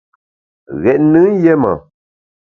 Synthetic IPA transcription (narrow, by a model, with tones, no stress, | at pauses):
ɣɛ˨ʔ̚nɨ˦jɛ˦ma̰˨